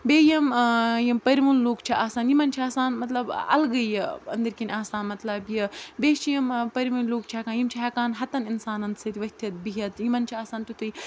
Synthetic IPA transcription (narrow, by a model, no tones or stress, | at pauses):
bʲeːjɐmjɐmpɐɾʲiʋunloːkt͡ʃʰiʔaːsaːnjimɐnt͡ʃʰiaːsaːnmɐt̪lɐbɐ̰lɡɐjɐnd̪ɐɾkʲinʲaːsaːnmɐt̪lɐbjɐbʲeːt͡ʃʰijɐmpɐɾʲʋɐnʲloːk̚t͡ʃʰiɐkaːnjimt͡ʃʰiɦɐkaːnɦɐt̪ɐninsaːnɐnt̪sɐt̪iʋɐt̪ʰʲɐt̪̚biɦɐt̪jimɐnt͡ʃʰiaːsaːnt̪ut̪uj